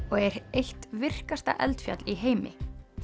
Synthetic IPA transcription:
ɔɣɛɾejht̪vɪr̥kast̪a̰ʔɛ̰lt̪fja̰t̪liɦeːjmɪ̰

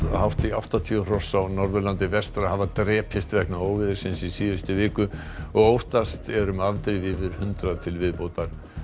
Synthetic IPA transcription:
hawht̪ia̰wht̪at̪ʰir̥ɔsawnɔɾðʏlant̪ɪvɛst̪ɾahavat̪ɾɛːpʰɪst̪vɛhknaoːwvɪðɪɾ̥sɪnsisiːvʏst̪ʏvɪːkʏ | ɔɣowht̪ast̪ɛɾʏmavt̪ɾɪvɪvɪɾ̥hʏnt̪ɾaðt̪ʰɪlvɪðpoːwt̪aɾ̥

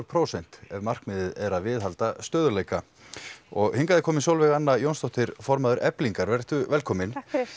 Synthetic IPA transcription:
ɾpʰɾowsɛn̥t̪ɛvmar̥kmɪðɪðɛɾaðvɪːðɦalt̪ast̪œːðʏleːjka | ɔɣhiŋkaðɪkʰɔːmɪnsowlvɛɣanːajownst̪ɔht̪ɪɾfɔɾmaðʏɾɛpliŋkaɾvɛr̥t̪ʏvɛlkʰɔːmɪn

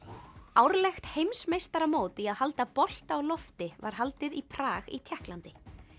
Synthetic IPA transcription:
awɾlɛxt̪hejmsmejst̪aɾamoːwt̪ɪaðhalt̪apɔl̥t̪awlɔft̪ɪva̰ɾ̥ɦalt̪ɪðipʰɾaːɣḭt̪ʰjɛhklant̪ɪ

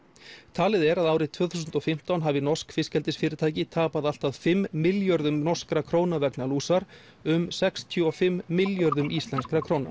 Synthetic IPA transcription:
t̪ʰaːlɪðɛɾaðaːwɾɪt̪ʰvœːθusʏnt̪ɔfɪm̥t̪awnɦaːvɪnɔr̥skfɪscɛlt̪ɪsfɪːɾɪt̪ʰaːjcɪt̪ʰaːpaðal̥t̪aðfɪmːɪljœɾðʏmnɔr̥skɾakʰɾoːwnavɛknaluːsaɾ̥ | ʏmsɛkst̪ʰjʏɔfɪmːɪljœɾðʏmist̪lɛnskɾakʰɾ̥oːwna̰

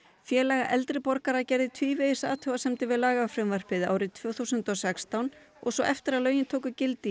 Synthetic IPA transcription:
fjɛːlɛjɣaʔɛlt̪ɾɪpɔɾkaɾacɛɾðɪt̪ʰviːveðɪsa̰ːt̪ʰœvasɛmt̪ɪvɪðlaːɣafɾʏmvar̥pɪða̰ːwɾɪt̪ʰv̥œːwθuwsʏnt̪ɔsɛkst̪awn | ɔ̰ɣsɔʔɛft̪ɪɾaðlœːɥjɪnt̪ʰoːwkʏcɪlt̪i

